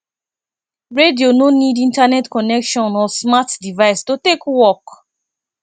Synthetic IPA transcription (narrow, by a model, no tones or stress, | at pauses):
ɹediononidĩntanɛtkɔnɛkʃɔ̃nɔsmatdivaɪstotekwɔk